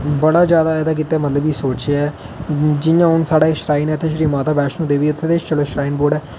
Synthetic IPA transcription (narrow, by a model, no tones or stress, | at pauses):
bəɽaːd͡ʒjaːd̪aːɛːd̪aːk̬it̪ːeːmət̪ləbiːsoːt͡ʃːɛː | d͡ʒɪjãːɦʊnsaːɽaːkʃɾaːiːnɛːt̪ʰeːʃɾiːmaːt̪aːbɛːʃnũːd̪eːʋiːʊt̪ʰːeːt̪et͡ʃəloːʃɾaːiːnboːɖɛː